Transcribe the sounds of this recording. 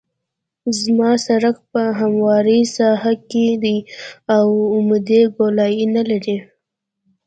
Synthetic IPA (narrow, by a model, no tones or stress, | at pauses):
zmɑsaɾakpəɦamwɑɾəjsɑhaked̪iawʊmd̪eɡolɑjinalaɾi